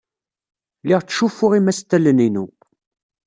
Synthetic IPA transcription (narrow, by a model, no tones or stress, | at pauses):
lɪʁt͡sːʃufːʊʁimæst̪ːæləninṵ